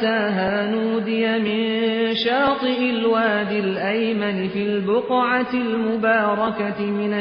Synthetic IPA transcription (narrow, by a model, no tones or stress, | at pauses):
aːɦaːnuːd̪ɪjamɪnʃɑːt̪ˤɨʔɪlwaːd̪ɪlʔajmanɪfiːlbʊqʕat̪ɪlmʊbaːɾˤɑkaɪmɪna